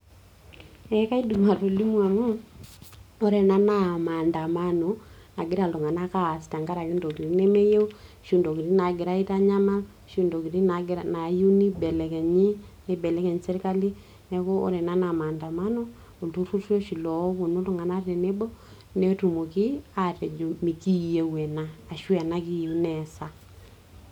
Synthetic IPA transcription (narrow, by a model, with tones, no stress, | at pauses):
ɛ˨˦ka˦i˦du˨ma˨ɾo˨li˦m˦a˨mu˦ | o˦ɾɛ˨na˦na˦˨ma˨nda˨ma˦no˨ | na˨ɡɪ˦ɾa˨lu˨ŋa˨na˦ka˦˨sta˨ŋɡa˦ɾa˨ki˦ndo˨ki˨ɾi˦nɛ˦me˦je˦u˦ʃu˦ndo˨ki˨ɾi˦na˨ɡɪ˨ɾa˦i˦ta˦ɲa˦ma˦l | ʃu˦ndo˨ki˨ɾi˦na˨ɡɾana˨ju˦ni˦bɛ˨lɛ˨kɛ˨ɲi˦ne˦bɛ˨lɛ˦kɛ˨ɲsɛ˦ɾka˦li˦ | nɛ˨ko˦o̰˦ɾɛ˨na˦na˨ma˨nda˨ma˦no˦ | o˨tu˦ru˦ro˦ʃi˨lɔ˨˦ko˨no˦lo˨ŋa˨na˦tɛ˨ne˦bɔ˦ | nɛ˦tu˨mo˨ki˦a˦tɛ˨d͡ʒo˨mi˨ki˦je˨wɛ˨naː˨ʃwɛ˨na˦ki˦ju˦nɛ˨sa˦